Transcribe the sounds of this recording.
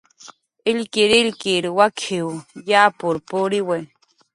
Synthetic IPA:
ɪlkiɾɪlkiɾwakʰiwjaːpʊɾpuɾiwe

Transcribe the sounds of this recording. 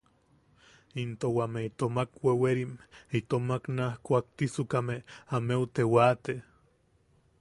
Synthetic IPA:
int̪owameit̪omakweweɾimit̪omaknahkʷak̚t̪isukameameut̪ewat̪e

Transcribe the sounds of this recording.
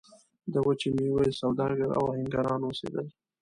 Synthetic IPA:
d̪əwat͡ʃimiwasawd̪ɑɡaɾa̰whɪŋɡaɾɑnwosḛd̪əl

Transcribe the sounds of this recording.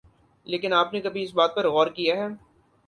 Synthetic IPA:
leːkɪnaːpnekɐbʱiɪsbaːt̪̚pɐɾɣɔːɾkijaɦɛː

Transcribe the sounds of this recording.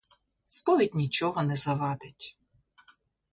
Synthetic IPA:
spɔʋʲit̚ʲnʲit͡ʃɔɦɔnɛzɐʋɑd̪ɪtʲ

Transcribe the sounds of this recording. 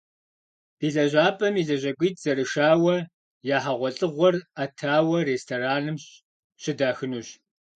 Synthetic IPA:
b̥iːɮɐʑʷaːpʼɐmiɮɐʑʷɐɡʷiːtʰz̥ɐrɨʂaːwɐ | jaːħaʁʷɔɬʼɨʁʷɔratʰaːwɐreːstʰoːɾaːnɨmɕ | ɕɪdaːxɨnuːɕ

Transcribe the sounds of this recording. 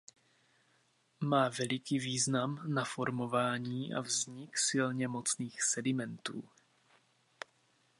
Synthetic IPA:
maːvɛlɪkiːviːznamnafo̞ɾmo̞vaːɲiːʔa̰vzɲɪksɪlɲɛmo̞t͡sniːxsɛdɪmɛnt̪ṵː

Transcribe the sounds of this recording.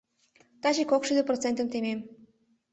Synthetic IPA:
t̪ɑt͡ɕikokʃyd̪eprot͡sent̪əmt̪emem

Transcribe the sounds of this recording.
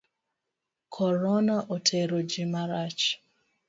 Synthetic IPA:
kʰɔɾɔnaʔotʰeɾod͡ʒimaɾat͡ʃ

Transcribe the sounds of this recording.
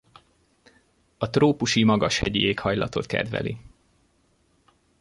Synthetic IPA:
ɒt̪roːpuʃimɒɡɒʃhɛɟieːkhɒjlɒt̪o̞t̪kɛ̰d̪ʋɛ̰li

